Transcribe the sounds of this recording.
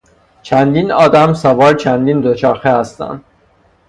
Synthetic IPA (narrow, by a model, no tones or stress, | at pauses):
t͡ʃʰænd̪inɒːd̪æmsævɒːɾt͡ʃʰænd̪iːnd̪ot͡ʃʰæːɾxehæst̪æ̰nd̪